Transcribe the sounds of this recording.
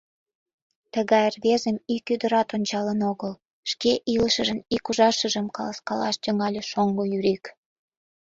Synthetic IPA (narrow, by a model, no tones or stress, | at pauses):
t̪əɣɑjərβezəmikyd̪əɾɑt̪onʲt͡ɕɑlənoɣəl | ʃkeʔiləʃə̆ʒə̆nikuʒɑʃəʒəmkɑləskɑlɑ̰ʃt̪əŋɑlʲeʃoŋɡojyɾik